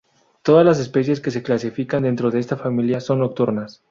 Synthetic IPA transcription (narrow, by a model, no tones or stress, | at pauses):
t̪o̞ðazlas̬e̞spe̞s̬je̞ske̞s̬e̞klasifikand̪e̞nt̪ɾo̞ðe̞est̪afamiljaso̞nːo̞k̚t̪uɾnas